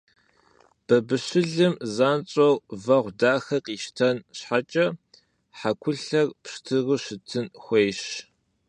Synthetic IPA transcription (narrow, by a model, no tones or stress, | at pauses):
b̥ɐbɨɕɪɮɨmzaːnɕʼɐwvɐʁʷdaːxɐqʼiːʃtʰɐnɕħat͡ʃʼɐ | ħakʷʰʊɬɐrpʂtʰɨrɨɕɪtʰɨnxʷejɕ